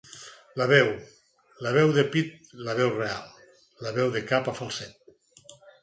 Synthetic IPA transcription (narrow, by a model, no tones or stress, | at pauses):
laβɛw | laβ̞ɛwðepit̪̚laβɛwrealˠ | laβɛwðekapafalˠsɛt̪̚